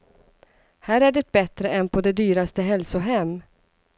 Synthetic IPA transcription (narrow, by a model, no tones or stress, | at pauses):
hæːɾæɖɛt̪̚bɛt̪ɾəɛnpʰɔd̪ɛd̪yːɾast̪əɦɛlsʊɦɛmː